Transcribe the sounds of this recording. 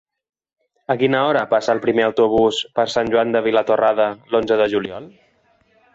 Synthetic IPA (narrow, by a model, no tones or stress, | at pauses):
əkinəɔɾəpasəːlˠpɾimeəwt̪uβ̞uspəɾsanʲʒwand̪əβ̞ilət̪orʔaðəlonzəðəʒuliɔlˠ